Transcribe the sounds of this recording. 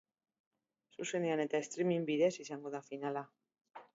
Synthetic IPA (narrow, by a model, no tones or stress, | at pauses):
susenjanet̪aest̪ɾimĩŋbiðesisaŋɡoðafinala